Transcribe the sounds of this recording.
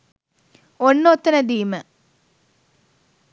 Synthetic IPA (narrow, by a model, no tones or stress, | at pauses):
onːot̪ːɐnɐd̪iːmə